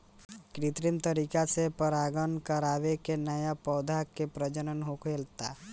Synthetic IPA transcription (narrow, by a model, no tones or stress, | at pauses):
kɾɪt̪ɾɪmt̪əɾiːkasepəɾaːɡənkəɾaːʋekenɐjapɔːd̪ʱaːkːepɾəd͡ʒənənɦokelt̪a̰ː